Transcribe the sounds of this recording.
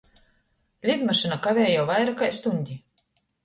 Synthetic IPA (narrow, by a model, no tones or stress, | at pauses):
lʲid̪maʃɨnakavʲɛːjawvajɾakajst̪unʲd̪ʲi